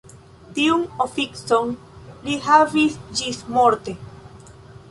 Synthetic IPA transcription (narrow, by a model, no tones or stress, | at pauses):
t̪iuŋofiksoŋ | lihaβisd͡ʒismoɾt̪e